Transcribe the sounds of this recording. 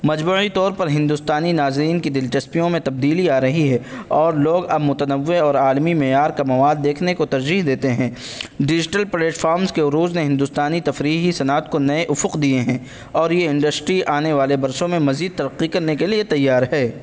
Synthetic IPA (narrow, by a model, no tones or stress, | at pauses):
mɐd͡ʒmuːit̪ɔːɾpɐɾɦɪ̃nd̪ʊst̪aːninaːzɾiːnkid̪ɪlt͡ʃɐspijõmẽt̪ɐb̚d̪iːliaːɾɐɦiɦɛɔːɾloːɡɐbmʊt̪ənəʋːeɔːɾaːlmimɛːjaːɾkamɐʋaːd̪ːeːkʰnekot̪ɐɾd͡ʒiːɦd̪eːt̪eɦɛ̃ː | ɖɪd͡ʒɪʈəlpɾeːʈfaːɾmzkeʊɾuːzneɦɪ̃nd̪ʊst̪aːnit̪ɐfɾiːɦisɐnaːt̪̚konɐeʔʊfʊqd̪ieɦɛ̃ː | ɔːɾjeɪ̃ɳɖəsʈɾiʔaːneʋaːlebɐɾsõmẽmɐziːd̪̚t̪ɐɾɐqːikɐɾnekeliet̪ɐjːaːɾɦɛː